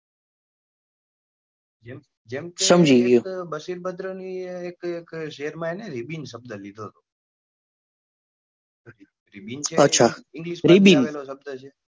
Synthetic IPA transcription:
d͡ʒ | d͡ʒemsəmd͡ʒiʋjobəʃiɾbəd̪ɾəniekekʃeɦəɾmãeneɾibinsəb̚d̪əlid̪ʱoɦt̪o | ɾibint͡ʃʰeətːʃʰaɪ̃ŋɡliʃɾibinɛlosəb̚d̪ət͡ʃʰe

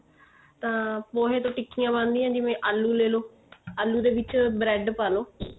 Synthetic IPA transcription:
t̪ãːpoːɦeːt̪õːʈɪkːijãːbãːnd̪iːjãːd͡ʒɪʋẽːʔaːlːuːleːloː | aːlːuːd̪eːʋɪt͡ʃbɾɛːɖpaːloː

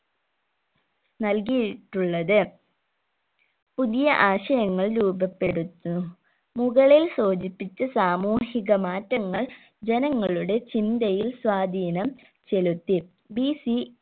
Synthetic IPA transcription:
nɐlkijiʈːuɭːɐðɨ | puðijɐʔaːɕɐjɐŋːɐɭɾuːbɐpːe̞ɽut̪ːu | muɣɐɭilsoːd͡ʑipːit͡ɕːɐsaːmuːhiɣɐmaːtːɐŋːɐɭ | d͡ʑe̞nɐŋːɐɭuɽe̞t͡ɕind̪ɐjilswaːd̪ʱiːnɐm | t͡ɕe̞lut̪ːi | bisi

